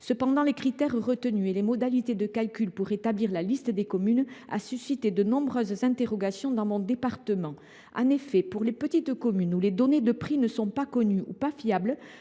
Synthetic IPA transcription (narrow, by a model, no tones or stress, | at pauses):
səpɑ̃d̪ɑ̃lekχit̪ɛʁʁət̪ənyelemɔd̪alit̪ed̪əkalkʲylpuʁet̪abliʁlalist̪əd̪ekɔmyna̰sysit̪ed̪ənɔ̃bʁœzzɛ̃t̪eʁɔɡasjɔ̃d̪ɑ̃mɔ̃d̪epaʁt̪əmɑ̃ | ʔɑ̰̃nefɛpuʁlepət̪it̪kɔmynuled̪ɔned̪əpχinəsɔ̃pakɔnyṵpafjabl